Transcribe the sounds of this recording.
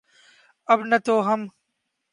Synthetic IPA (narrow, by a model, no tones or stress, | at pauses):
ɐbnɐt̪oːɦɐm